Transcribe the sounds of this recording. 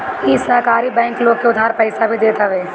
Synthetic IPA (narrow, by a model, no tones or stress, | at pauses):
isɐɦkaːɾibɛ̃ːŋkloːɡ̚keʊd̪ʱaːɾpɛɪsabʱid̪eːt̪aʋeː